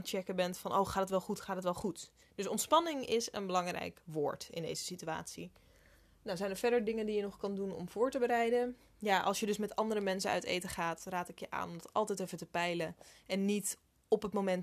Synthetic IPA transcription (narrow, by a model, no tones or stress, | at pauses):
t͡ʃɛkəbɛntfɑnʔo̰wχaːtətʋɛlˠχutχaːtətʋɛlˠχut | d̥ɵsɔntspɑnɪŋɪsə̰nbəlɑŋrɛ̰jkʋʊːɹtɪ̰ndḛjzəsitya̰ːtsi | nawzɛjnəɹfɛɹdəɹdɪŋəndijənɔχkɑndunɔ̰mv̥ʊːɹtəbəɾɛjdə | jaːʔɑ̰lˠsʃjədɵsmɛtɑndəɾəmɛnsənœ̰ɥtḛjtəχaːtraːtɪkjəʔa̰ːnɔmdɑtɑ̰lˠtɛjtɛfətəpɛjləɛnːit | ɔpɦətmomɛnt